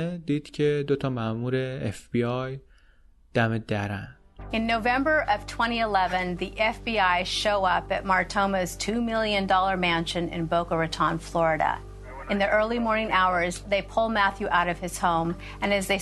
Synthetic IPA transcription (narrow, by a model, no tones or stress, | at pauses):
d̪iːd̪̥cʰed̪ot̪ʰɒːmæʔmuːɾeefb̥iɑj | d̪̥æmed̪æɾæn̥ | ɨ̃nːoʊvɛ̃mbə˞ʔʌv̥tʰw̥ɛ̃ɾ̃iəlɛvɨ̃nðiʔɛfb̥iaɪʃoʊʌpɨt̚mɑɹk̚tʰõʊ̃mɨz̥tʰʉmɪlˠjɨ̃ndɔlˠə˞mæ̃nʃɨ̃nɪ̰̃nboʊkəɹɨtʰɑ̃nflɔɹɨɾə̰ | ɨ̃nðiʔɜ˞lˠimɔɹnɪ̃ŋaʊə˞zðeɪpʰʊlˠmæθjʉʔaʊɾʌv̥ɨz̥hõʊ̃m | ɨ̃nɨzðeɪ